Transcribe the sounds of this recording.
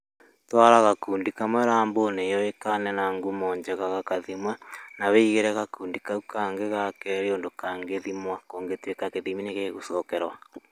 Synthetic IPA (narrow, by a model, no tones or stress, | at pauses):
twaɾaɣakuːndikamwɛɾaːmbonejɔekanɛnaŋɡumɔːɲd͡ʒɛɣaɣakaðimwɛnaβeiɣeɾɛɣakuːndikaukaŋɡeɣakɛɾeondokaŋɡeðimwakoːŋɡetiekakeðimineɣeɣusɔːkɛɾwa